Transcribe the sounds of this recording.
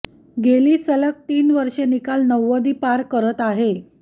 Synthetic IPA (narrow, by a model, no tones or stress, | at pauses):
ɡeliːsələk̚t̪iːnʋəɾʂenikalnəʋːəd̪iːpaɾkəɾət̪aɦe